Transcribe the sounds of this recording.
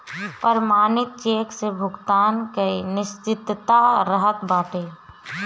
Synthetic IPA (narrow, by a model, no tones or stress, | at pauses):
pəɾmaːnɪt̪̚t͡ʃeːksebʱʊɡt̪aːnkəinɪst͡ʃɪt̪t̪aɾəɦət̪baːʈeː